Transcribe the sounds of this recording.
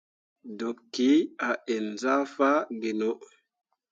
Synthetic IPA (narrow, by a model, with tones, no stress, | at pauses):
do˨pki˨˦a˨ʔe˨nza˦fa˦ɡe˨no˦